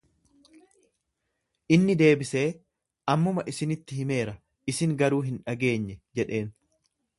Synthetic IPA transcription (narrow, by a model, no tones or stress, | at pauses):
ʔɪnːɪd̪e̞ːbɪse̞ː | ʔɐmːʊmɐʔɪsɪnɪt̪ːɪhɪme̞ːɾɐ | ɪsɪŋɡɐɾuːɦɪnᶑɐɡe̞ːɲːɛd͡ʒɛᶑe̞ːn